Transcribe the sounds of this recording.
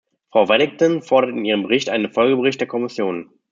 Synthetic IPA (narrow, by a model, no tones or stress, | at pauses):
fʁ̥aʊvɛɾɪŋ̚tɔnfɔɐɾɐtɪniːʁəmbəʁɪçtʔaɪnənfɔlɡəbəʁɪçt̚d̥eːɐkʰɔmɪsjoːn